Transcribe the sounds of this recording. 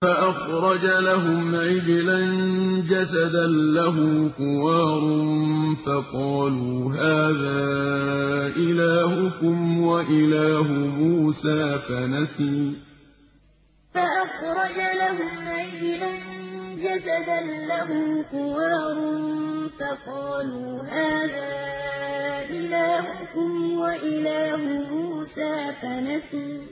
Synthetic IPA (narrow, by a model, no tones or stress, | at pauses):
faʔɑxɾˤɑd͡ʒalaɦʊmʕɪjɪland͡ʒasad̪anlaɦʊmkʊwɑːɾˤʊnfɑqɑːluːɦaːðaː | ʔɪlaːhʊkʊmwaʔɪlaːɦʊmuːsaːfanasiː | faʔɑxɾˤɑd͡ʒalahʊmʔajland͡ʒazad̪anːaɦʊmqʊwaːɾˤʊnfɑqɑːluːɦaːðaː | ʔɪlaːhʊkʊmwaʔɪlaːhʊmuːsaːfanasiː